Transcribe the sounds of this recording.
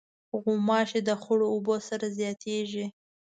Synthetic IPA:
ɣumɑʃed̪əxʊɽoːbosaɾazjɑt̪ʰeʒi

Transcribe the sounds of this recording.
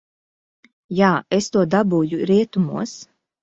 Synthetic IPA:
jaːest̪uɔd̪abuːjuɾiɛt̪umṵɔs

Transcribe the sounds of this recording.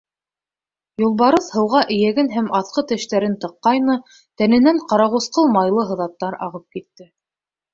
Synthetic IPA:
julˠβɑɾɤθhɤ̆wʁɑʔɘ̆jæɡɘnɦæmɑθqɤt̪ɘ̆ʃt̪æɾɘnt̪ɤ̆qːɑjnɤ | t̪ænɘ̆næɴqɑɾɑʁŭsqɤlˠmɑjlˠɤɦɤ̆ðɑt̪ːɑɾɑ̰ʁɤp̚kit̪ːɘ

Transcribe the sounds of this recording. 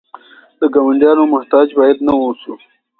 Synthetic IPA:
d̪əɡawaɳɖjɑnomʊht̪ɑːd͡ʒbɑjad̪nawosu

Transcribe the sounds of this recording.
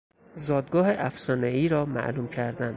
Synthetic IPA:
zɒːd̪̚ɡɒːɦeʔæfsɒːneiːɾɒːmæ̰ʔluːmcʰæɾd̪ænd̪

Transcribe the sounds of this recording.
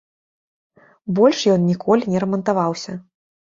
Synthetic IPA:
bɔlʲʂjɔnnʲikʰɔlʲinʲɛɾɐmɐnt̪avawsʲɐ

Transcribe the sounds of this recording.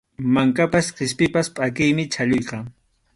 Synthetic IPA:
maŋkapasqɪspɪpaspʼakɪjmɪt͡ʃʰaʎʊjqɑ

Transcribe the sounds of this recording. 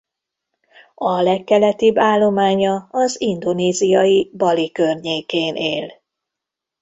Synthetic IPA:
ɒlɛkːɛlɛt̪ibːaːlːo̞maːɲɒɒzind̪o̞neːzijɒjibɒlikørɲeːkeːnʔeːl

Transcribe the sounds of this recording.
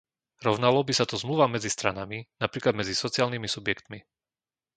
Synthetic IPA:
ɾɔʋnalɔbisat̪ɔzmluʋamɛd͡zist̪ɾanaminapɾiːklad̪mɛd͡zisɔt͡siaːlnimisubjɛkt̪mi

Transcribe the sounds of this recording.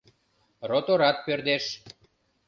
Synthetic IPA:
rot̪oɾɑt̪̚perd̪eʃ

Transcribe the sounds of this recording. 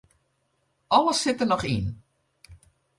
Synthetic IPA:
ʔɔləsɪtənɔχḭn

